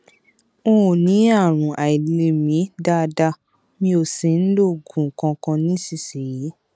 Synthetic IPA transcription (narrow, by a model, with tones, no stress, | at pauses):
õ˦˨nĩ˨˦a˦˨ɾ̃ũ˨ʔa˨i˨le˨mĩ˨˦da˦˧da˧ | mĩ˧o˨si˨˦n̩˦lo˦˨ɡũ˨kã˧kã˧nĩ˦si˧˨si˨ji˨˦